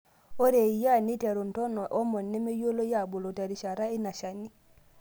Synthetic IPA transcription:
o˦ɾe˨i˨ja˦˨ni˦te˨ɾu˨n̩˨tɔ˦nɔ˨ʔɔ˦mɔ˨nːɛ˦me˦jo˦lo˦ja˦˨bu˨lo˨te˨ɾi˨ʃa˨ɾa˦i˦na˨ʃa˨ni˦

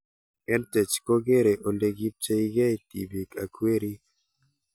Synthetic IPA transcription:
ɛ˦ntɛ˨t͡ʃko˦ɡe˦ɾe˨ʔo˨le˨ɡi˦p̚t͡ʃe˦i˦ɡa˦i˨t̪i˨bi˨ka˨kwe˦ɾi˦

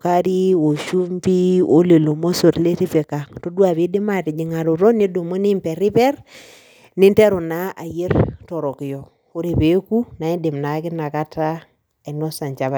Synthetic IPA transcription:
ka˦ɾi˦o˨ʃu˦mpi˦o˦le˨lo˨mo˦so˨tle˦ɾi˦pe˨ka˨to˦du˦a˨bi˦di˦ma˦ti˨d͡ʒi˨ŋa˨ɾu˨ɾo˦ni˦do˨mo˦ni˦mpe˨ɾi˦pe˦ɾ | ni˦nte˦ɾu˨na˦a˨je˦ɾtɔ˨ɾo˨ki˨jo˨ | u˦ɾi˨pe˦ku˦na˨i˦di˨mna˨˦ki˦na˨ka˦ta˦ | e˨no˦sa˨ɲt͡ʃa˨βa˨

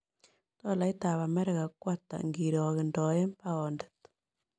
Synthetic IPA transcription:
t̪ɔ˦˨la˨˦i˦ta˨βa˨mɛ˦ɾɛ˦ɣa˨kwa˦t̪a̰˨ŋɡi˨ɾɔ˨ɣɪ˨ndɔ˨ɛ˦mpa˦ɔ˨ndɛ̥˨t̪

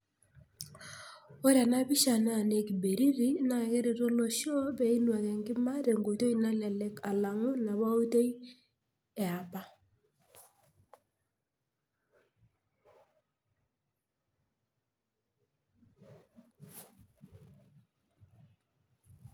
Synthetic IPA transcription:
o˦ɾa˨na˦bi˦ʃa˨na˦˨ne˨ki˨be˨ɾi˦ɾi˦na˨kɪ˦ɾi˨ɾo˦lo˦ʃjɔ˦bɛ˨i˦nwa˨kɛ˨ŋɡɪ˦ma˦ɾe˨ŋɡo˨to˦ji˦na˦lɛ˨lɛ˨ka˨la˨ŋʊ˦na˨βa˦u˦te˦j | ɛ˨a˨pa˦

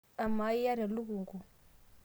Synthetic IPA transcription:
a˨ma˨˦i˦ja˦ɾɛ˨lu˦kuː˨ŋɡu˨

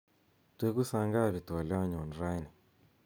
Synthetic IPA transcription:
twe˦ku˦sa˧ŋɡa˦˨βi˨tu˨a˨li˦wa˦ɲɔ˨nɾa˦i˦nɛ˨

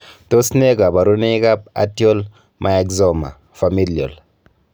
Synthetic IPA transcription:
to˦sne˦ɡa˨ba˨ɾu˦ne˦ka˦p̚a̰˨ti˦o˦l | mʔa˨e˦kzɔ˦˨ma̰˨ | fa˨mi˦ljo̰˨l

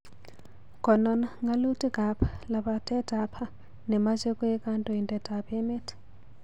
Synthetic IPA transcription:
kʼɔ˨nɔna˦ŋɡa˦lu˦tʼi˦kʼa˨pʰḁla˨ba˨tʼɛ˦tʼapʰa˦ | nɛ˨ma˦t͡ʃʼe˦kʼʊ˦ɛ˦kʼa˦ntʼɔ˨i˨ntʼɛ˨tʼapʰʼɛ˦me˦tʰɪ̥

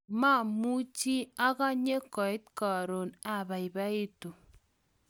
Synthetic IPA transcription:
ma˦˨mu˦t͡ʃi˦a˦ka˦ɲe˦kɔ˨ɪ˦t̪ka˨ɾo˨na˨ba˨i˨ba˦i˦tu˨

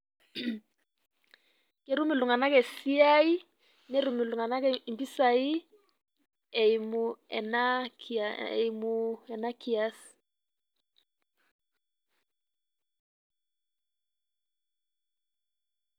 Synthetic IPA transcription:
ke˨˦ɾu˦mi˨lu˨ŋa˨na˦kɛ˨si˦a˦i˦ | ne˦ɾu˨mɪ˨lu˨ŋa˨na˦kɛ˦i˨mbi˦sa˨i˦ | ɛ˨i˨mu˨ɛ˨na˦kaɛ̰˨i˨mu˨ɛ˨na˦ki˨a˦s

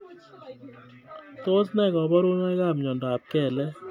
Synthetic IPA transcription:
t̪o˦snɛ˨kɔ˨bɔ˦ɾu˦nɛ˦ka˦˨mɲɔ˨ndɔ˨a˨p̚kɛ˨lɛ˦

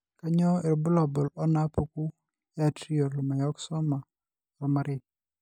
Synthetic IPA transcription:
ka˦ɲɔ˦e˨ɾbʊ˦lɔ˨bɔ˨lɔ˦na˦pu˨ku˦ | ja˨tɾi˦ɔ˨ɾlɔ˨ma˨jɔ˦ksɔ˦ma˨ | ɾɔ˨ma˦ɾɪ˦

